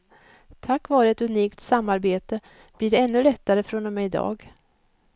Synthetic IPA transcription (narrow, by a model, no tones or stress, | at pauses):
t̪ʰakːvɑːɾəɛt̪ɵniːkt̪samːaɾbeːt̪ə | b̥liːɖɛɛnːɵlɛt̪ːaɾəfɾonɔmɛɪd̪ɑ̰ːɡ